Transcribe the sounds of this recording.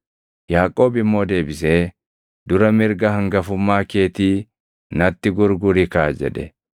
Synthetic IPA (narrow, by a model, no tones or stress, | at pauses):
jaːkʼːo̞ːbɪmːo̞ːd̪e̞ːbɪseː | d̪ʊɾɐmɪɾɡɐhɐŋɡɐfʊmːaːkeːt̪iː | nɐt̪ːɪɡʊɾɡʊɾɪkaːd͡ʒɛ̰ᶑɛ̰